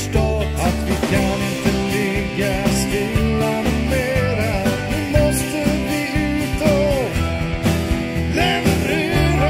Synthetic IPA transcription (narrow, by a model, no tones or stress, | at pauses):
st̪ɔ | at̪vɪkʰanɪnt̪əlɪɡːaskɪlameːɾajɪmɔst̪əblɪʉːt̪ɔ | lɛɾɪɾ